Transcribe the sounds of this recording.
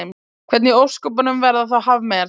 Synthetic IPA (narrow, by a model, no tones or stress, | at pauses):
m | kʰvɛt̪niowr̥skɔp̬anʏmvɛɾðaθawɦavmɛɾ